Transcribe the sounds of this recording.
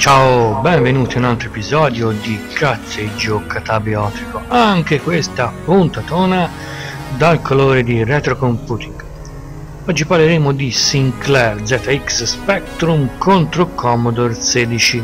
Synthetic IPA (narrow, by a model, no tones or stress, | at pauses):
t͡ʃaobɛɱvenuːt̪iunalt̪ɾoepizɔːd̪jod̪ikat̪sːed͡ʒːokat̪abeɔːt̪ikoaŋk̟ekwest̪apːunt̪at̪oːna | d̪alkʰoloːɾed̪irɛt̪ɾokompuːt̪iŋɡ | ɔd͡ʒːipaɾleɾeːmʊd̪isiŋklɛɾd̪zɛːt̪aiksspɛk̚t̪ɾumkont̪ɾokʰɔmod̪oɾseːd̪it͡ʃi